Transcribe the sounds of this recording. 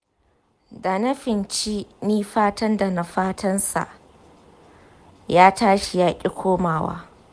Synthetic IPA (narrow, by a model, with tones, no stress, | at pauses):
da˨nɐ˦ɸɪ˨nt͡ʃiː˦niː˦ɸaː˦tɐ˦nda˨na˨ɸaː˦tʰɐ˦nsa̰˨ʔ | jaː˦taː˦ʃi˨jaː˦kʲʼi˦kʷʰoː˦maː˨wa̰ː˦